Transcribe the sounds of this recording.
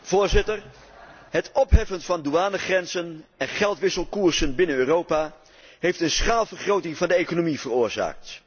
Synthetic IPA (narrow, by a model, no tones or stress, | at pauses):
v̥ʊːɹzɪtər | ɦətɔpɦɛfənvɑnduaːnəχrɛnzənɛnχɛlˠtʋɪsəlˠkuːɹzənbɪnənøːrowpaː | ɦejftənsχaːlˠvərχrowtɪŋvɑndəejkonomivərʊːɹza̰ːk̚t